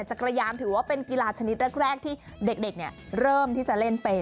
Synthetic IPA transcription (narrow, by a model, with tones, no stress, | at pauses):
t͡ɕa˨˩kɾa˧jaː˧mt̪ʰɯː˩˦waː˥˩pe˧nki˧laː˧t͡ɕʰa˧ni˦˥t̪̚ɾɛː˥˩k̚ɾɛː˥˩k̚t̪ʰiː˥˩de˨˩k̚de˨˩k̚ni˦˥˩əɾɤː˥˩mt̪ʰiː˥˩t͡ɕa˨˩le˥˩npe˧